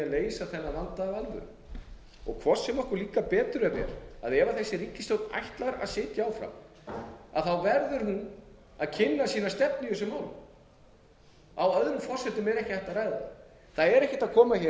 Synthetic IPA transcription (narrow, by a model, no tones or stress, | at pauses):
aleːjsaθɛnːalant̪avalvʏ̰ɾ | ɔ̰ɣkʰvɔ̥sːɛmɔhkʏɾliːkapɛːt̪ʏɾɛvɛ̰ɾa̰ðɛːvaθɛsːɪɾiːcːɪst̪owt̪na̰jht̪laɾa̰ðsɪːt̪jaaːwfɾa̰m | a̰ðθawvɛɾðʏɾɦun | aðcʰɪnːasiːnast̪ɛpnijʏsɛmaːwlʏm | awœðɾʏmfɔrsɛt̪ʏmɛɾɛhcɪ̥θɛht̪araːjða̰ | θaðɛɾɛhcɪ̥t̪akʰɔːmaçɛ